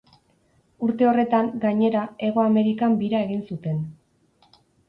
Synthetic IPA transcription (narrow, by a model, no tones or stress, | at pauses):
uɾt̪e̞o̞re̞t̪aŋɡaɲe̞ɾae̞ɣo̞ame̞ɾikambiɾae̞ɣinsut̪e̞n